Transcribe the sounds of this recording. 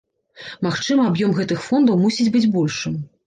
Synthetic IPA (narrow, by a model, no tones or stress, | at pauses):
maxt͡ʂɨmɨabjɔmɣɛt̪ɨxfɔnd̪ɐwmusʲid͡zʲbɨd͡zʲbɔlʲʂɨm